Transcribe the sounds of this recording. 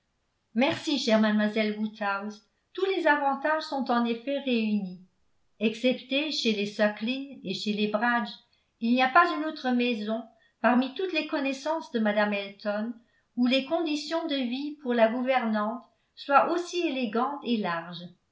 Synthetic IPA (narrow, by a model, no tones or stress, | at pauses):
mɛʁsiʃɛʁmad̪mwazɛlwut̪awz | t̪ulezavɑ̃t̪aʒsɔ̃t̪ɑ̃nefɛʁeyni | ɛksɛpt̪eʃelesaklineʃelebʁad͡ʒ | ilniapazynot̪χəmɛzɔ̃ | paʁmit̪ut̪lekɔnɛsɑ̃sd̪əmad̪amɛlt̪ɔn | ulekɔ̃d̪isjɔ̃d̪əvipuʁlaɡuvɛʁnɑ̃t̪ | swaʔosieleɡɑ̃t̪elaʁʒ